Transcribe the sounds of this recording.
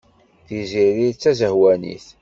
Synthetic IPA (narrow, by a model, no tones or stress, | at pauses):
θiziɾit͡sːæzəhwænḭθ